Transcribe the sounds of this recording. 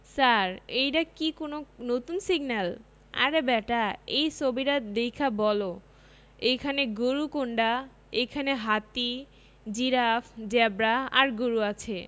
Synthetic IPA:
saɾejɾakikononot̪unsiɡnal | a̰ɾebɛʈaejt͡ɕʰobiɾad̪ejkʰabɔlo | ejkʰaneɡoɾukoɳɖa | ejkʰaneɦat̪i | d͡ʑiɾafʰd͡ʑɛbɾaa̰ɾɡoɾuat͡ɕʰe

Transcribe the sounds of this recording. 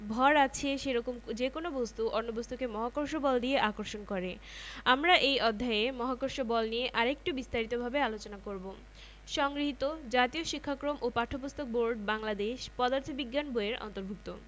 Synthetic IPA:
bʱɔɾat͡ɕʰeʃeɾɔkomd͡ʑekonobost̪uʔɔɾnːobost̪ukemɔɦakoɾʃobɔld̪ieʔakoɾʃonkɔɾe | amɾaʔejɔd̪ʱːaemɔɦakoɾʃobɔlnijeʔaɾek̚ʈubist̪aɾit̪obʱabealot͡ɕonakoɾbo | ʃɔŋɡɾiɦit̪od͡ʑat̪ioʃikʰːakɾomʔopaʈʰːopost̪ʰok̚boɾɖbaŋlad̪eʃpɔd̪aɾt̪ʰobiɡːanboeɾɔ̰nt̪oɾbʱuk̚t̪o

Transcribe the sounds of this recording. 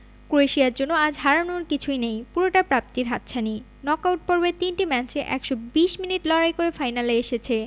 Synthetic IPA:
kuɾeʃiaɾd͡ʑonːoad͡ʑɦaɾanoɾkit͡ɕʰujnejpuɾoʈapɾap̚t̪iɾɦat̪̚t͡ɕʰani | nɔkawʈ̚poɾbet̪inʈimɛt͡ɕeʔɛ̰kʃɔbiʃminiʈlɔɾajkoɾefajnaleeʃet͡ɕʰe

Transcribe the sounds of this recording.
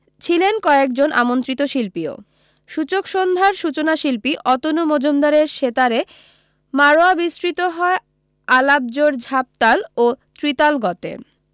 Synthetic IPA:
t͡ɕʰilenkɔek̚d͡ʑonʔa̰mont̪ɾit̪oʃilpio̰ | ʃut͡ɕokʃond̪ʱaɾʃut͡ɕonaʃilpiʔɔt̪onumod͡ʑomd̪aɾeɾʃet̪aɾe | maɾoabisɾit̪oɦɔe | alab̚d͡ʑoɾd͡ʑʱap̚t̪alot̪ɾit̪alɡɔt̪ḛ

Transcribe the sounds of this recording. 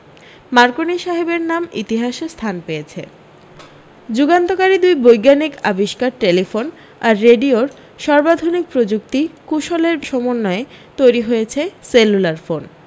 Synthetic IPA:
maɾkoniʃaɦebeɾnamḭt̪iɦaʃest̪ʰanpejet͡ɕʰe | d͡ʑuɡant̪okaɾid̪ujbojɡanikabiʃkaɾʈelifon | aɾːeɖioɾ | ʃɔɾbad̪ʱonik̚pɾod͡ʑuk̚t̪ikuʃɔleɾʃɔmonːɔet̪ojɾiɦojet͡ɕʰeselːulaɾfon

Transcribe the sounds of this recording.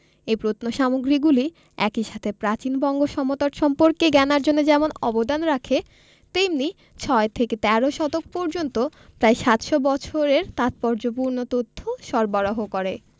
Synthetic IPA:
epɾot̪noʃamoɡɾiɡuli | ɛkiʃat̪ʰepɾat͡ɕinbɔŋɡoʃɔmot̪aɾʃɔmpoɾkeɡɛnaɾd͡ʑonːed͡ʑɛmonɔbod̪anɾakʰe | t̪emni | t͡ɕʰɔet̪ʰeket̪ɛɾoʃɔt̪ok̚poɾd͡ʑont̪opɾaeʃat̪ʃobɔt͡ɕʰoɾeɾt̪at̪̚pɔɾd͡ʑop̬uɾnot̪ot̪ʰːoʃɔɾbaɾoɦokoɾe

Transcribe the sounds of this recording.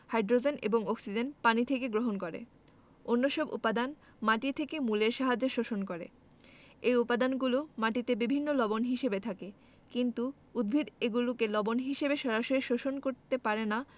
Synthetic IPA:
hajɖɾod͡ʑenḛboŋɔksid͡ʑenpanit̪ʰekeɡɾoɦonkoɾḛ | onːoʃɔbṵpad̪an | maʈit̪ʰekemuleɾʃaɦad͡ʑeʃoʃonkoɾḛ | ejupad̪anɡulomaʈit̪ebibʱinːolɔbonɦiʃebet̪ʰake | kint̪u | ud̪̚bʱid̪eɡulokelɔbonɦiʃebeʃɔɾaʃoɾiʃoʃonkoɾt̪epaɾena

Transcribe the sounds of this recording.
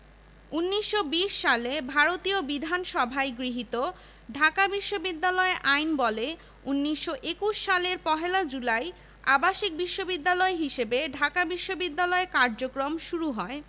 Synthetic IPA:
unːiʃːobiʃːalebʱaɾot̪iobid̪ʱanʃɔbʱaeɡɾiɦit̪o | ɖʱakabiʃːobid̪ːalɔeʔajnbɔle | unːiʃːoʔekuʃːaleɾpɔɦelad͡ʑulaj | a̰baʃik̚biʃːobid̪ːalɔeɦiʃebeɖʱakabiʃːobid̪ːalɔekaɾd͡ʑokɾomʃuɾuɦɔe

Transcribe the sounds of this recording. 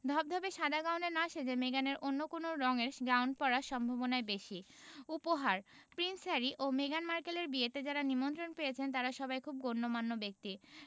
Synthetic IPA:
d̪ʱɔb̚d̪ʱɔbeʃad̪aɡawnɖenaʃed͡ʑemeɡaneɾʔonːokonoɾɔŋeɾʃɡɾawɳɖ̚pɔɾaʃɔmbʱabonaebeʃi | upoɦaɾ | pɾinsaɾiʔomeɡanmaɾkeleɾbiet̪ed͡ʑaɾanimont̪ɾonpejet͡ɕʰent̪aɾaʃɔbajkʰub̚ɡonːomanːobek̚t̪i

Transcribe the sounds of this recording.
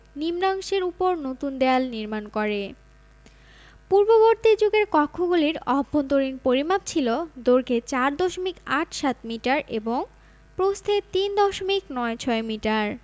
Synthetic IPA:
nimɾaŋʃeɾupoɾnot̪und̪ɛalniɾmankɔɾe | puɾboboɾt̪id͡ʑoɡeɾkɔkʰːoɡuliɾɔbʱːont̪oɾinpoɾimab̚t͡ɕʰilod̪oɾket͡ɕaɾd̪ɔʃomikaʈʰʃat̪miʈaɾʔeboŋ | pɾost̪ʰet̪ind̪ɔʃomiknɔet͡ɕʰɔemiʈaɾ

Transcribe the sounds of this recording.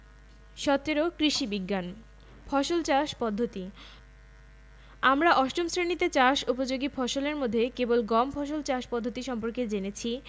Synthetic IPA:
ʃɔt̪ːeɾokɾiʃibiɡːan | fʰɔʃolt͡ɕaʃpɔd̪ʱːot̪i | amɾaʔɔʃʈomsɾenit̪et͡ɕaʃupod͡ʑoɡifʰɔʃoleɾmod̪ʱːekebolɡɔmfʰɔʃ̬olt͡ɕaʃpɔd̪ʱːot̪iʃɔmpoɾked͡ʑenet͡ɕʰi

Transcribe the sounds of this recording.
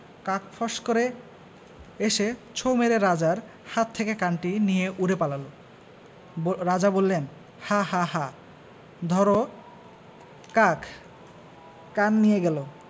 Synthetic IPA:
kãkfʰɔʃkoɾe | eʃet͡ɕʰowmeɾeɾad͡ʑaɾ | hat̪ʰːekekanʈinijeʔuɾepalalo | ɾad͡ʑabolːen | haɦaɦa | d̪ʱɔɾo | kakʰ | kanːijeɡɛlo

